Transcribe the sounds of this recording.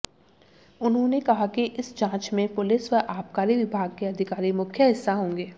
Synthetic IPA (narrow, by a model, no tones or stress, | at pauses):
ʊnɦõnekɐɦakiʔɪsd͡ʒãːt͡ʃmẽpʊlɪsʋəɾʔaːpkaːɾiʋɪbʱaːɡ̚keɐd̪ʱɪkaːɾimʊkʰjəɦɪsːaɦõːŋɡeː